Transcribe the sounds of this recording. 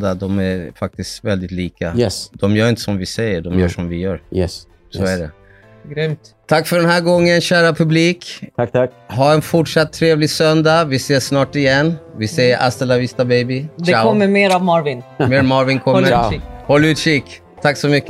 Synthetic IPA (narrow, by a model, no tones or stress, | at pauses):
d̪ad̪ɔmæfak̚t̪ɪst̪vɛld̪ɪt̪liːkajɛsd̪̥ɔmjœːɾɪnt̪ə̥sɔmvɪsɛjːəɖɔmjœːʂɔmvɪjœːɾjɛs | soæɖɛ | ɡɾʏmt̪ | t̪ʰakːfœɖɛnhæːɾɡɔŋːənɕæːɾapʰɵbliːkt̪ʰat̪ʰa | ɦaɛnfʊʈʂat̪ʰːɾeːvlɪsœnd̪avɪseːʂnɑːʈɪjɛnːvɪsɛjəɾʔa̰st̪ɛlːavɪst̪abɛjbɪd̪aɔmːəmeːɾavmɑɾvɪnmeːɾmɑɾvɪnkʰɔmːəhɔlʉːt̪ʂik | t̪ʰakːsɔmʏkː